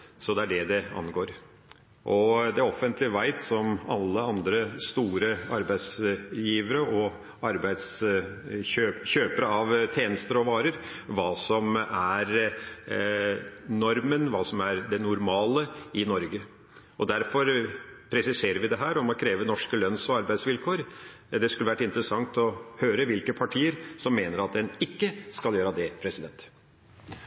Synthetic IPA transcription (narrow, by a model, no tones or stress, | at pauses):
sɔd̪ɛæɖɛd̪ɛɑ̰nɡoːɾ | ʔɔd̪ɛɔfːənt̪ʰlɪʋæɪt̪sɔmɑ̰lːəɑnd̪ɾəst̪uːɾəɑɾbæɪd̪sjiːʋəɾəʔɔ | ɑɾbæɪd̪s | øːçøːpəɾəɑʋt̪ʰjeːnəst̪əɾɔʋɑːɾəɾʋɑːsɔmæɾ | nɔɾmənʋɑːsɔmæɾd̪ɛnʊɾmɑːləɪnɔɾɡə | ɔd̪æɾfɔɾpʰɾɛsɪseːɾəɾʋɪd̪ɛɦæːɾɔmɔkʰɾeːʋənɔʂkəlœnsɔɑɾbæɪd̪sʋɪlkʰoːɾ | d̪ɛskʉlːəʋæʈːɪnt̪əɾəsɑŋt̪ɔhøːɾəʋɪlkəpʰɑʈʰiːəɾsɔmːeːnəɾɑt̪̚d̪ɛnɪkːəskɑljøːɾɑd̪ɛpʰɾɛsɪd̪ɛnt̪